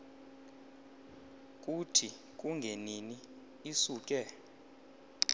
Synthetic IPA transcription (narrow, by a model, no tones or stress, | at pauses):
k̬ʼutʰi | k̬ʼuŋɡʱeniniː | suːk̬ʼɛ